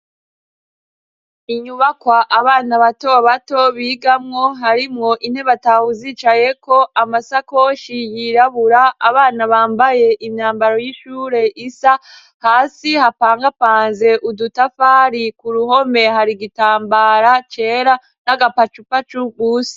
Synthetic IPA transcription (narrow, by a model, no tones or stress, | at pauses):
iɲuβakwaʔaβaːnaβato̞βato̞βiːɡamŋo̞ɦaɾimŋo̞ʔin̥he̞βatahuziːt͡ʃaje̞ko̞ʔamasakoʃijiɾaβuɾaːβaːnaβaːmbaje̞ʔimɲaːmbaɾo̞jiʃuːɾe̞ʔisa | haːsihapaːŋɡapaːnze̞ʔudutafaːɾikuɾuɦo̞me̞ɦaɾiɡitaːmbaɾat͡ʃe̞ːɾa | naɡapat͡ʃupat͡ʃuɡuːsi̥